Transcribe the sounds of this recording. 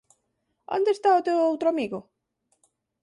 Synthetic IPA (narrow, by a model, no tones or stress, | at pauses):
a̰nd̪est̪aot̪ewowt̪ɾoamiɣo